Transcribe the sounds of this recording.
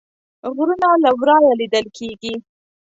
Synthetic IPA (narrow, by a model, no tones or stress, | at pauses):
ɣɾunalawɾɑjalid̪əlkʰeɡi